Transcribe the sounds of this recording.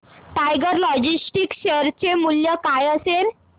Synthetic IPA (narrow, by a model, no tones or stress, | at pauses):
ʈajɡəɾlɔd͡ʑisʈikɕeɾt͡ɕemuljəkajəseɾ